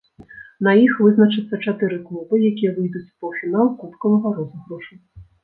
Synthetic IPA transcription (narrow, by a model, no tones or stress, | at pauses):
nɐjixvɨznɐt͡ʂɨt̪sːɐt͡ʂat̪ɨɾɨklˠubɨjakʲijɐvɨjd̪ut͡sʲpɔwʂɨnɐwkup̪kɐwɐɣaɾɔznɨɣɾuʂɨ